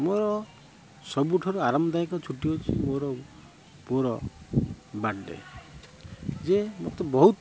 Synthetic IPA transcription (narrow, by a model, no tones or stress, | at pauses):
moɾɔ | sɔbuʈʰɔɾuaɾamɔd̪aikɔt͡ʃʰuʈiot͡ʃʰḭmoɾɔ | poɾɔ | baɖḛ | d͡ʒemot̪ɔbɔɦut̪